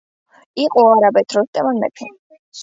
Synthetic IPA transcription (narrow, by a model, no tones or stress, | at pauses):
iqʼɔaɾabɛt̪ʰɾɔst̪ʼɛmanmɛ̰t̪ʰɛ